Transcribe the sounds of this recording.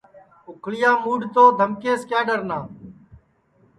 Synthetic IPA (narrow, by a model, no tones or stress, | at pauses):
ʊkʰɭɪjaːmuːɖt̪oːd̪ʱəmkeːskaːɖəɾnaː